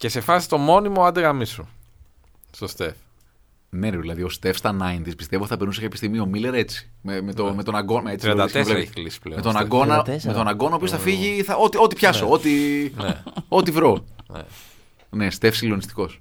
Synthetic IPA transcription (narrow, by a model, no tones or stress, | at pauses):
ce̞se̞fɐsi̥t̪o̞mo̞nimoɐd̪eɣɐmisu | st̪ost̪ef | neðilɐðio̞st̪e̞fst̪ɐnɐjnt̪ispist̪eot̪iθɐpeɾnusekɐepi̥st̪imio̞mile̞ɾe̞t͡si̥memet̪omet̪onɐɡonmet͡siɾɐsvlepeiklisi̥plḛmet̪o̞nɐɡo̞nnɐmet̪o̞nɐɡo̞nɐopiosθɐfiʝiθɐo̞t̪io̞t̪ipçɐsoot̪inḛo̞t̪ivɾo̞nḛ | ne̞st̪e̞fsilo̞nist̪i̥ko̞s